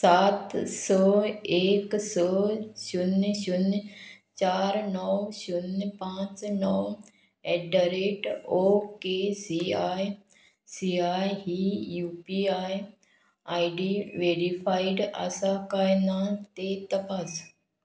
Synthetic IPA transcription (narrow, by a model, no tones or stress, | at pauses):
saːt̪sɔeːksɔɕunʃun | t͡ɕaːɾnɔwʃunpãt͡snɔw | ɛɖəɾeʈokesiaj | siajɦijuːpiaj | aiɖiʋeɽifʰaiɖa̰sakajnat̪et̪əpaːs